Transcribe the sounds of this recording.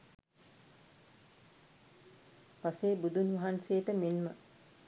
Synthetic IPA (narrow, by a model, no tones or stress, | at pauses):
paseːbud̪unʋɐɦanseːt̪əmenmə